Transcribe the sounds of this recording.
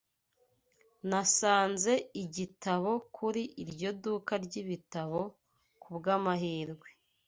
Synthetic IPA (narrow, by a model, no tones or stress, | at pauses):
nasaːnze̞iɟitaβo̞kʰuɾiʔiɾɟo̞dukaɾɟiβitaβo̞ | kubɡamaɦiːɾɡwe̥